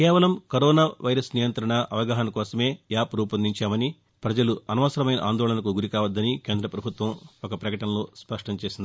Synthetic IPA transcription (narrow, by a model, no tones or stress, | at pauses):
kɛːʋɐlɐmkɐɾɔːnaːʋɐjɾɐsnijɐnt̪ɾɐɳɐʔɐʋɐɡaːɦɐnɐkɔːsɐme̞ːjaːpɾuːpɐnd̪iɲt͡ʃaːmɐni | pɾɐd͡ʒɐluɐnɐʋɐsɐɾɐmɐjnɐ̰ʔa̰ːnd̪ɔːɭɐnɐk̬uɡuɾikaːʋɐd̪ːɐnikeːnd̪ɾɐpɾɐbʱut̪ʋɐmɔkɐpɾɐkɐʈɐnɐloːspɐʂʈɐmt͡ʃeːsind̪i